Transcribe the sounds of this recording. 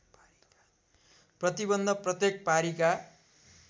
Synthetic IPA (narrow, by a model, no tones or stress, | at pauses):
prʌt̪ibʌnd̪ʱʌprʌt̪jek̚paɾika